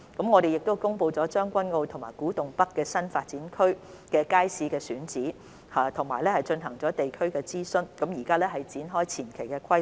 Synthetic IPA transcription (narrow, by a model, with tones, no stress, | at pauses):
kɐ˨˥mŋɔː˨˧ɾe˨jɪ˨k̚t̪o˥wkʊ˥ŋpo˧wt͡sɔː˨˥t͡ʃœː˥ŋkʷɐ˥nŋo˧wt̪ʰʊ˨˩maː˨˩jkuː˨˥t̪ʊ˨ŋpɐ˥kːɛː˧sɐ˥nfaː˧t̚t͡siː˨˥nkʰɵ˥ɥ | kɛː˧kaː˥jsiː˧˥kɛː˧syː˨˥nt͡siː˨˥ | aː˨t̪ʰʊ˨˩ŋmaː˨˩jlɛː˥hɐ˨jt͡ʃɵ˧nɦɐ˨˩ŋt͡sɔː˨˥t̪e˨jkʰɵ˥ɥkɛː˧t͡siː˥sɵ˥nkɐ˨˥mjiː˨˩kaː˥lɛː˥ɦɐ˨jt͡siː˨˥nɦɔː˥jt͡sʰiː˨˩nkʰe˨˩jkɛː˧kʰɐ˥